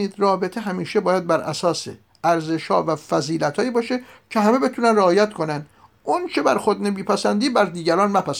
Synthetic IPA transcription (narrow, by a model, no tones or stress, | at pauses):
iːd̪ɾɒːbe̞t̪ʰeɦæmiːʃebɒːjæd̪̚bæɾʔæ̰sɒːsḛ | æɾze̞ʃhɒ̰ːvæfæziːlæt̪hɒːiːbɒːʃecʰe̞ɦæme̞be̞t̪ʰunænreɒːjæt̪kʰo̞nænd̪ | ʔunt͡ʃʰebæɾxod̪nebiːpʰæsænd̪iːbæɾd̪iːɟæɾɒːnmæpʰæs